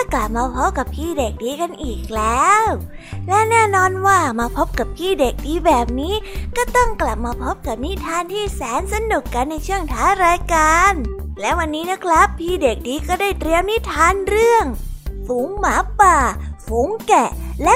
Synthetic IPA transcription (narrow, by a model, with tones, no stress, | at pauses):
t̪ʰa˥˩kla˨˩p̚maː˧pʰo˦˥ka˨˩p̚ʰiː˥˩de˨˩k̚diː˧ka˧nʔiː˨˩k̚lɛː˦˥wlɛ˦˥nɛː˥˩nɔː˧nwaː˥˩maː˧pʰo˦˥p̚ka˨˩p̚pʰiː˥˩de˨˩k̚diː˧bɛː˨˩p̚niː˦˥kɔː˥˩t̪ɔ˥˩ŋkla˨˩p̚maː˧pʰo˦˥p̚ka˨˩p̚ni˦˥t̪ʰaː˧nt̪ʰiː˥˩sɛː˨˩˦nsa˧nu˨˩kːa˧nːa˧jt͡ɕʰɯ˥˩əŋt̪ʰaː˦˥ɾaː˧jkaː˧nlɛ˦˥wa˧nːiː˦˥na˦˥kʰɾa˦˥pʰːiː˥˩de˨˩k̚diː˧kɔː˥˩daː˥˩jt̪ɾi˧əwni˦˥t̪ʰaː˧nɾɯ˥˩əŋfuː˨˩˦ŋmaː˨˦paː˨˩fuː˨˩˦ŋkɛ˨˩lɛ˦˥